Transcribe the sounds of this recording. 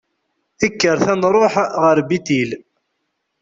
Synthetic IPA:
əkːəɾθænɾˤoħʁəɾbit̪il

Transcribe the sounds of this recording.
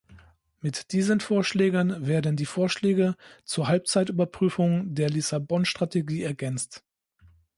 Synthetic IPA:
mɪtd̥iːzənfoːɐʃlɛːɡənveːɐdn̩diːfoːɐʃlɛːɡət͡suːɐɦalp̚t͡saɪtʔyːbɐpʁ̥yːfʊŋdeːɐlisabɔnʃtʁ̥atʰeɡiːɛɐɡɛnt͡st

